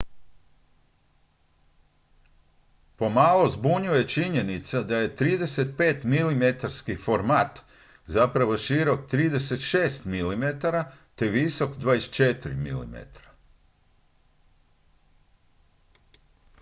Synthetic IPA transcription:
po̞malozbuɲuje̞t͡ʃiɲe̞nit̪sad̪aje̞t̪ɾiːd̪e̞set̪̚pe̞ːt̪milimet̪aɾskifo̞ɾmaːt̪ | zapɾaʋo̞ʃiɾo̞k̚t̪ɾiːd̪e̞se̞t̪ʃeːst̪milimet̪aɾat̪e̞ʋiso̞kd̪ʋaːjest͡ʃet̪ɾḭmḭlḭmḛt̪ɾa

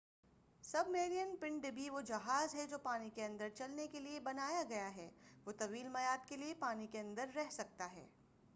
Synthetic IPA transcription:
sɐbmeːɾijənpɪ̃ɳɖɖɪbʱiʋod͡ʒɐɦaːzɦɛd͡ʒoːpaːnikeɐ̃nd̪əɾt͡ʃɐlnekeliebɐnaːjaɡɐjaɦɛːʋoːt̪ɐʋiːlmɐjaːd̪keliepaːnikeɐ̃nd̪əɾːɛɦsɐk̚t̪aɦɛ̰ː

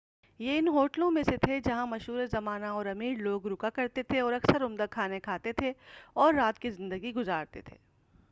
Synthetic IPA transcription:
jeɪnɦoːʈlõmẽset̪ʰed͡ʒɐɦãmɐʃɦuːɾezɐmaːnaɔːɾɐmiːɽloːɡɾʊkakɐɾt̪et̪ʰeɔːɾɐksəɾʊmd̪akʰaːnekʰaːt̪et̪ʰeɔːɾːaːt̪kizɪ̃nd̪əɡiɡʊzaːɾt̪ḛt̪ʰḛː

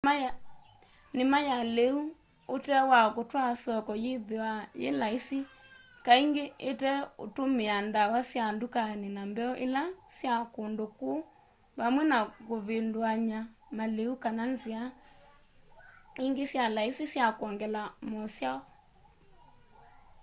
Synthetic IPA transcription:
nɪmajaleu | otɛwakotwasɔkɔjeðewajḛlaisi | kaiŋɡeetɛo̰tomeandawasjandukanenambɛɔʔelasjakondoko | βamwɛnakoβendwaɲamaleukananzia | iŋɡesjalaisisjakwɔŋɡɛlamɔsjaɣɔ

